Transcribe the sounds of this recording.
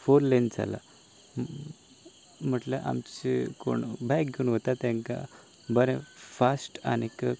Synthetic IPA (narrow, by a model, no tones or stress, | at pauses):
foɾlend͡za̰la̰ | m̤əʈləʔa̰mt͡ɕiko̰ɳbʱajkɡuɳɦot̪at̪ãŋka̰ | bəɾẽfasʈa̰nikə